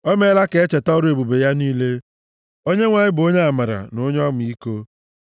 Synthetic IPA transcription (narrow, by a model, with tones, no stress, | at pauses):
ɔ˦me˦la˦ke˨e˦t͡ʃe˨tɔ˦ɾo˦e˨bu˨be˨ja˦niː˦le˦ | o˦ɲe˦ŋʷa˨ɲɪ˦bʊ˨o˦ɲe˦a˨ma˨ɾa̰˨nʊ˦ɲɔ˦mʊ˨i˦ko˦